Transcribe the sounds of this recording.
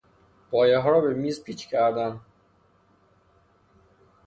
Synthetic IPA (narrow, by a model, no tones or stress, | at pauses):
b̥ɒːjeɦɒːɾɒːbe̞miːzpʰiːt͡ʃʰcʰæɾd̪æn